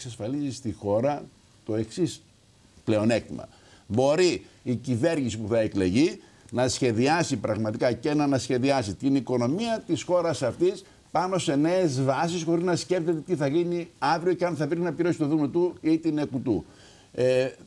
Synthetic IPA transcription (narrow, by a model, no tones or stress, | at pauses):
ksɐsfɐlizist̪ixo̞ɾɐ | t̪o̞e̞ksis | ple̞o̞ne̞kt̪imɐ̰ | bo̞ɾiːcive̞ɾʝisipuθɐekle̞ʝi | nɐsçe̞ðiɐsipɾɐɣmɐt̪ikɐcenɐnɐsçe̞ðiɐsit̪iniko̞no̞miɐt̪isxo̞ɾɐsɐft̪is | pɐno̞se̞ne̞ːzvɐs̬isxo̞ɾiznɐsce̞ft̪et̪et̪iθɐɣiniɐvɾio̞ceɐnθɐpɾinɐpiɾo̞si̥t̪o̞ðumnot̪uit̪ine̞kut̪u | e